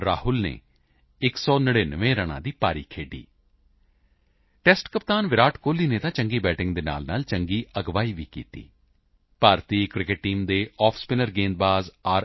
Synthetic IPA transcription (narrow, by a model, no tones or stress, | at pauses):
ɾaːɦʊlnḛː | ɪksɔːnəɽeːnəʋẽːɾəɽ̃ã̰ːd̪iːpaːɾiːkʰeːɖḭː | ʈɛːsʈkəpt̪aːnʋɪɾaːʈkoːliːneːt̪ãːt͡ʃəŋɡiːbɛːʈɪ̃ŋɡd̪eːna̰ːlna̰ːlt͡ʃəŋɡiːʔəɡʋaːiːʋiːkḭːt̪ḭː | paːɾt̪iːkɾɪkɪʈʈːiːmd̪eːɔːpʰspɪnəɾɡẽːnd̪̚baːzaː